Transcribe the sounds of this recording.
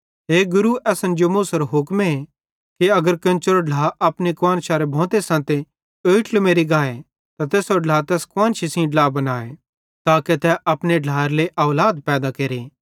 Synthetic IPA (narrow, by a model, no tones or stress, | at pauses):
ɦeːɡʊɾuʔɛːsɐ̃nd͡ʒomusɐɾɦʊkme | kiɐɡəɾkɐ̃nt͡ʃəɾɖlaːʔɐpnekwaːnʃaːɾebʱɔ̃ːt̪esãːt̪e | oːiʈlmeːɾiɡaːe | t̪at̪eːsoɖlaːt̪ɛːskwãːnt͡ʃisĩɖlaːbɐnaːe | t̪aːket̪ɛʔɐpneɖʱlaːɾleʔɐːlaːd̪pɛːd̪akeːɾeː